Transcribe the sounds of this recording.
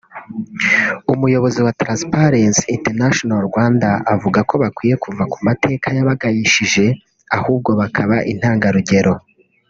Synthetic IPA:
umujo̞βo̞ziwatɾãspaɾensintenaʃonaɾɡwaːndaːvuɡako̞βakwiːje̞kʰuvakumate̞ːkʰajaβaɡajiʃiʒe̞ | ahuːb̚ɡo̞βakʰaβaʔin̥haːŋɡaɾuɟe̞ɾo̞

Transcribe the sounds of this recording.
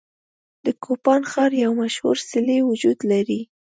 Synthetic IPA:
d̪̥əkʰopɑnxɑɾjawmaʃhṵɾsɪlewʊd͡ʒud̪laɾi

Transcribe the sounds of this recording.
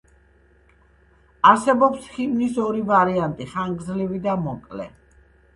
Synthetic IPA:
aɾsɛbɔpsχivnisɔɾivaɾiant̪ʼiχaŋɡzlivid̪amɔkʼlɛ̰

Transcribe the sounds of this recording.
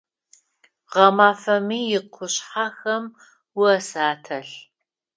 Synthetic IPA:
ʁɐmaːfɐmiːjɪqʷʰʊɕħaxɐm | wʊɐsaːtʰɐɬ

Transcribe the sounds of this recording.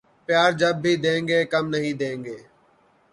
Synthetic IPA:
pɪjaːɾd͡ʒəb̚ːʱiːd̪ẽːŋɡeːkəmnəɦĩːd̪ẽːŋɡeː

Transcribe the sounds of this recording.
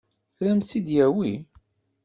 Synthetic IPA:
ɾæmsid̪jæwi

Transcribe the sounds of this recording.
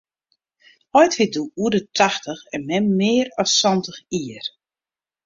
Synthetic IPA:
ɔjtʋɪt̚duuədətʰaxtəxɛnmɛmːɪːəɾɔsːɔntəxiːər

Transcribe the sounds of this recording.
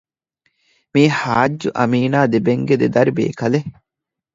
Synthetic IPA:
miːhaːd͡ʒːuʔɐ̰miːnaːd̪ebeŋɡed̪ed̪ɐɾibḛːkɐle

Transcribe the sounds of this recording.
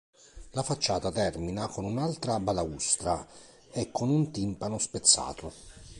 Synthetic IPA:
lafat͡ʃːaːt̪at̪ɛrminakonunalt̪ɾabalaust̪ɾa | ɛkʰːonunt̪impanʊspet̪sːa̰ːt̪ʊ

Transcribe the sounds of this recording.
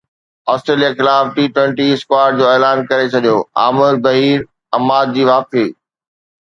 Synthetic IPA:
aːsʈɾeːlijaxɪlaːfʈiːʈwɛ̃ɳʈiɪskwaːɾd͡ʑoːeːlaːnkɐɾet͡ɕʰɐɠijoːa̰ːmɪɾbɐɦiːɾ | ɐmaːd̪̚d͡ʑiːʋaːfeː

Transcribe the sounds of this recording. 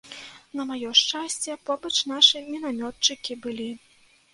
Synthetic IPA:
nɐmajɔʂt͡ʂasʲt͡sʲɛpɔbɐt͡ʂnaʂɨmʲinamʲɔt̪t͡ʂɨkʲibɨlʲi

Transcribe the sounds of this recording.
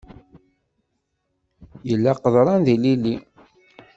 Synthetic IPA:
jəlːæqəðˤɾˤɑnðililːi

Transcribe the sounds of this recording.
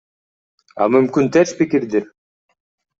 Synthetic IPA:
ɑ̰mymkynt̪ʰeʃpikiɾd̪ɪɾ

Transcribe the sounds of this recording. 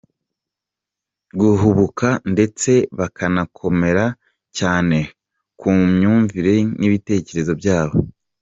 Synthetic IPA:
ɡuɦuβukande̞t͡se̞βakʰanakʰo̞me̞ɾa | caːne̞ | kuːmɲuːɱviɾe̞niβite̞ːce̞ɾe̞zo̞bjaːβo

